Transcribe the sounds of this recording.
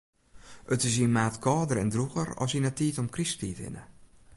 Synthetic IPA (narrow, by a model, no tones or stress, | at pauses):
ʔətɪs̬iənmaːtkʰɔːdəɾɛndruɣərɔ̰sinatiːtɔmkrispiːtɪ̰nə̰